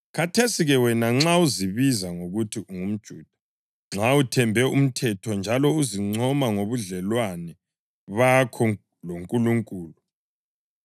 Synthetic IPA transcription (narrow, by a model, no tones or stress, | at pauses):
ɣatʰesiɣɛwɛnaŋ͡ǁauziβizaŋoɣutʰiuŋum̩d̥ʒ̥ʱuːd̥ʱḁ | ŋ͡ǁautʰɛmbʱɛum̩tʰɛtʰɔnd͡ʒʱalɔuziŋ͡ǀʱɔmaŋoβuɮɛlwanɛ | βakʰɔ | loŋkʼuluŋkʼuːlu